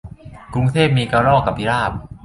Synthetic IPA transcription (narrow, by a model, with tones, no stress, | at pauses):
kɾu˧ŋt̪ʰeː˥˩p̚miː˧kaː˧ɾɔː˥˩kːa˨˩p̚pʰi˦˥ɾaː˥˩p̚